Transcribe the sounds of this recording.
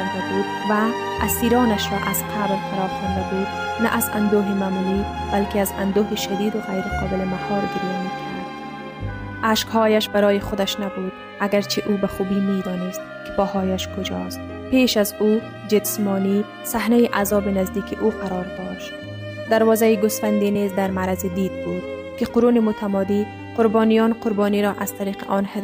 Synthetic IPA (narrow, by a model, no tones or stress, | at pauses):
kʰaɾd̪abuːd̪ | vaː | siːɾɒːnaʃɾɔʔaz̥qʰablfaɾɔːxɔnd̪abud̪ | na̰ʔazand̪oːɦimaːmulib̥alkɪaza̰nd̪oɦiʃad̪iːd̪ʊɣajɾɪqʰɒːbɪlɪmahɒːɾɡɪɾijamekʰʊnad̪ | aʃkhɒːjaʃbaɾɒːjɪχʊd̪aʃnabud̪ | aɡaɾt͡ʃʰiʔubaχubimed̪ɒːnɪst̪̚kʰɪ̥pɒhɒːjaʃkʊd͡ʒɒ̰st̪̚ | peːʃazu | d͡ʒɪsmɔni | sahnajiʔazɒːbinazd̪iːkʰiʔuqʰaɾɒɾd̪ɔʃt̪ | d̪aɾwɒzajiɡʊsfand̪inizd̪aɾmaɾazid̪id̪̚bud̪̥ | kɪqʊɾunɪmʊt̪ʰamɔd̪i | qʊɾbɒnijɔnqʊɾbɔniɾɔʔaz̥t̪aɾiːqɪʔɒnhɪd̪